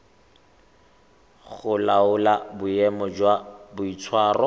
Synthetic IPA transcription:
ɣʊlaʊlabʊjɛmɔd͡ʒwabʊit͡sʰwaːrɔ

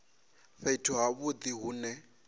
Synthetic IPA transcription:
ɸaitʰuɦaβʊd̪iɦuːnɛ

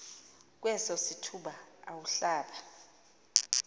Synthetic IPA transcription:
k̬wɛsɔsitʰuɓaawuɬaːɓa

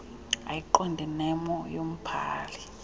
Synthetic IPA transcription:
ajiǃɔndʱinɛmɔjom̩pʰaːli

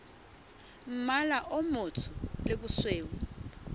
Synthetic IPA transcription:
m̩malaʔomʊtʰʊlɪbʊsweːwʊ

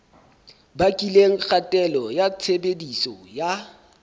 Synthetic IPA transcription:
bakʼileŋ̩k͡xʰatʼɛlɔjat͡sʰebedisɔja

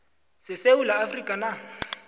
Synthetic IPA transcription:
sɪseulaːfrikʼana

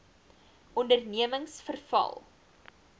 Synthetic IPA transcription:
ʔɔndərniəməŋsfərfɐ̰lˠ

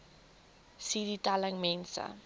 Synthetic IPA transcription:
siɾitaləŋmɛnsə̰

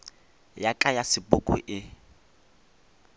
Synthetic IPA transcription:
jakʼajasɪpʊkʼʊ̰ʔɪ

